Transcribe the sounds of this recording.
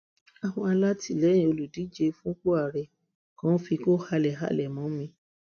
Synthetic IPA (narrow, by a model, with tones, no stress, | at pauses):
a˨w̃ɔ̃˧a˧la˦ti˦˨lɛ˨˦j̃ĩ˧o˧lu˨di˨˦d͡ʒe˧fũ˦k͡po˦a˦˨ɾɛ˨ | kã˦fi˧ko˦ha˧lɛ˨ɦa̰˦˨lɛ˨mɔ̃˨˦mĩ˧